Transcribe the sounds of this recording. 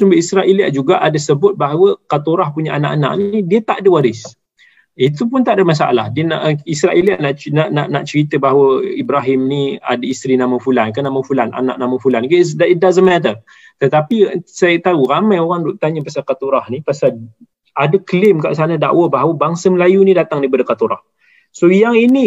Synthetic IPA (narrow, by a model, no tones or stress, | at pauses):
sumbəisɾaʔiliaʔd͡ʒuɡaʔadəsəbʊt̪̚baɦawəkat̪uɾahpuɲaʔana̰ʔana̰ʔnidiət̪aʔdəwaɾɪs | it̪upʊnt̪aʔdəmas̬a̰ʔla̰hdiənaʔisɾaʔiliaʔnaʔnaʔnaʔnaʔt͡ʃəɾit̪əbaɦawəibɾaɦɪmnia̰dəist̪ɾinaməfulankanaməfulana̰na̰ʔnaməfulankəsdaidazəmat̪̬ə | t̪ət̪apisajət̪auɾamajoɾaŋdɔʔt̪aɲəpasakat̪uɾahnipasa | adəkəlɪmka̰ʔsanəda̰ʔwəbaɦawəbaŋsəməlajunidat̪aŋdibədəkat̪uɾa̰h | sojaŋini